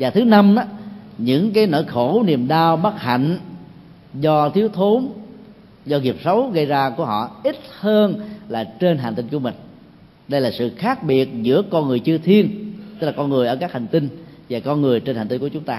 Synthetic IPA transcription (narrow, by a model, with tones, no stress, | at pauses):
vaː˨˩t̪ʰɨ˨˦na˧mʔaː˨˦ɲɨ̰˧˥ŋkaː˨˦jno̰˧˨jxo˧˩ni˨˩əmɗaː˧wɓa˦˥t̚ha̰˧˨ŋ̟ | zɔ˧t̪ʰi˨˦əwt̪ʰo˨˦n | zɔ˧ɣi˨˩əp̚sə˨˦wɣə˧jzaː˧ku˧˩əɦɔ̰˧˨ʔi˦˥t̚həː˧nlaː˨˩t͡ɕe˧nɦaː˨˩nt̪ï˧nku˧˩əmï˨˩ŋ̟ | ɗə˧jlaː˨˩sɨ̰˧˨xaː˦˥k̚ɓi˨˩ət̚zɨ̰˧˥əkɔ˧nŋɨ˨˩əjt͡ɕɨ˧ət̪ʰi˧ənt̪ɨ˦˥laː˨˩kɔ˧nŋɨ˨˩əʔəː˧˩kaː˦˥k̚ha˨˩ŋ̟t̪ï˧nvaː˨˩kɔ˧nŋɨ˨˩əjt͡ɕe˧nha˨˩ŋt̪i˧nku˧˩ət͡ɕʊ˨˦ŋ͡mt̪aː˧